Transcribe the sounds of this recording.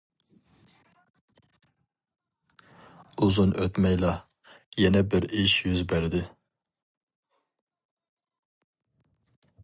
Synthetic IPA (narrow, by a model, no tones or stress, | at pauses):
uzunʔøt̪mɛjlˠɑ | jɛnɛbɪɾiʃjyzbæɾɪd̪ɪ